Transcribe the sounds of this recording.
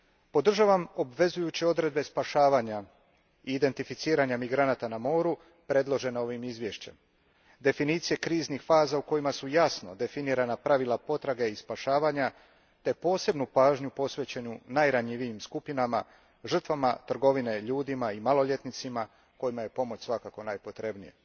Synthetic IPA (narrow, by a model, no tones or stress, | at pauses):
po̞d̪r̩ʒaʋamo̞bʋe̞zujut͡ɕio̞d̪ɾe̞d̪be̞spaʃaːʋaːɲa | iːd̪e̞nt̪ifit̪siːɾaɲamiɡɾanat̪anamo̞ːɾu | pɾe̞d̪lˠo̞ʒe̞nao̞ʋimizʋjeʃt͡ɕe̞m | d̪e̞finiːt̪sije̞kɾiːznixfaːzauko̞jimasujasno̞̰d̪e̞finiːɾanapɾaʋilˠapo̞t̪ɾaɡe̞ispaʃaːʋaɲa | t̪e̞po̞ːse̞bnupaːʒɲupo̞sʋe̞t͡ɕe̞ɲunajɾaɲiʋijimskupinama | ʒr̩t̪ʋamat̪r̩ɡo̞ʋine̞ʎuːd̪imaimalˠo̞ʎe̞t̪nit̪sima | ko̞jimaje̞po̞mo̞t͡ɕsʋakako̞najpo̞t̪ɾe̞bnijḛ